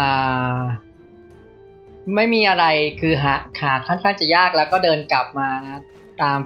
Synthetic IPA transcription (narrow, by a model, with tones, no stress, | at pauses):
ʔaː˨˩ | ma˥˩jmiː˧ʔa˧ɾa˧jkʰɯː˧ɦaː˩haː˨˩˦kʰːaː˥˩nkʰaː˥˩nt͡ɕa˨˩jaː˥˩k̚lɛː˦˥wkɔː˥˩dɤː˧nkla˨˩p̚maː˧ | t̪aː˧m